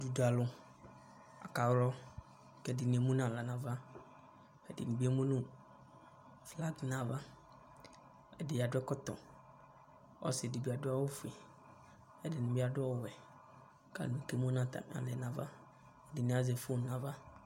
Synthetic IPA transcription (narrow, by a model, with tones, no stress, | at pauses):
du˨da˨lʊ˦ | a̰˨ka˨wlɔ˦ | kɛ˨dɪ˨nĩ˨e˨mũ˦nã˨la˨nã˨va˦ | ɛ˨dɪ̰˨nũ˨bi˦e˦mũ˦nũ˦ | fla˦ɡnã˨va˦ | ɛ˨dɪ˨ja˨dʊ˦ɛ˦kɔ˦t̪ɔ̰˨ | ɔ̰˦sɪ˨dɪ˨bi˨a˨dʊ˦a˦wʊ˦fu˨i˨ | ɛ˨dɪ˨nʊ̃˨bi˦a˨dʊ˦ɔ˦˨wɛ˨ | ka̰˨lnũ˨ke˦mũ˦nã˦˨t̪a̰˨m˨a̰˨lɛ˨nã˨va̰˦˨ | dɪ˨nĩ˦a˦ze˨fu˦nã˨va˦